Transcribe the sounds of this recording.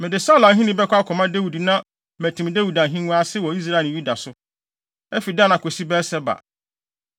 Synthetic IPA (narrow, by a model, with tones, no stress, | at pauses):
mɪ̃˨dɪ˨saː˦lã˨n˦ɦĩ˦nĩ˦bɛ˦kʷa˦kʰɔ˨mã˦de˦wu˨di˨nã˦ | mæ˨tʰĩ˨m˨de˦wu˨da˨ɦĩ˦nũ˦a˦sɪ˦wɔ˨i˦s̬ɾa˦e˨lju˦da˨sʊ˦ | ɛ˦fi˨dã˦nã˨kʰo˨si˦bɛ˦sɛ˦ba̰˨